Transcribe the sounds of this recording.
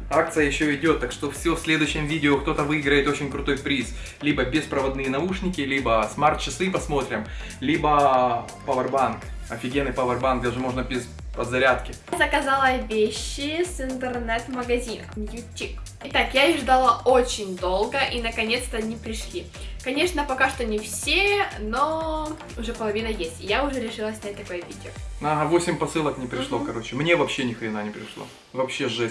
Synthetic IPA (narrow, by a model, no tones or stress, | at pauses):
akt̪sɨjəjɪɕːoɪdʲo̞t̪ːakʂt̪o̞fsʲofsʲlʲed̪ʊjʉɕːɪmvʲidʲɪokt̪o̞t̪əvɨiɡɾəjɪt̪o̞t͡ɕɪnʲkɾʊt̪o̞jpɾʲis | lʲibəbʲɪspɾəvɐd̪nɨjənɐuʂnʲɪkʲɪlʲibəsmart̪̚t͡ɕːɪsɨpɐsmo̞t̪ɾʲɪm | lʲibə | pɐvərbankɐfʲɪɡʲenːɨjpɐvɐrbanɡd̪ʲaʐɨmo̞ʐnəbʲɪz | ɐd̪zɐɾʲat̪kʲɪ | zəkɐzalˠəvʲeɕːɪsɨnt̪ɨrnɛt̪məɡɐzʲinɐ̰jʊtʲːik | ɪt̪akjaʐd̪alˠəot͡ɕɪnʲd̪o̞lˠɡəʔinəkɐnʲe̞t̪st̪ɐnʲipɾʲɪʂlʲi | kɐnʲe̞ʂnəpɐkaʂt̪onʲɪfsʲeno | ʊʐɛpəlˠɐvʲinəjesʲtʲɪjaʊʐɛɾʲɪʂɨlˠəsʲnʲat̚ʲt̪ɐko̞jəvʲidʲɪoaɦavosʲɪmʲpɐsɨlˠəknʲɪpɾʲɪʂlˠokɐɾo̞t͡ɕɪmnʲevɐpɕːenʲɪxɾʲɪnanʲɪpɾʲɪʂlˠo̰ | vɐpɕːeʐɛ